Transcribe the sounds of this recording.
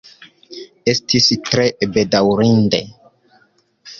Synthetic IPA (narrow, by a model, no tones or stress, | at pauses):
estʰistɾebedawɾindḛ